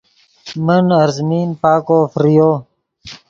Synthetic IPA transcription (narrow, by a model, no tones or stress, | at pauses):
mənəɾzmiːnpaːkoːfɾijoː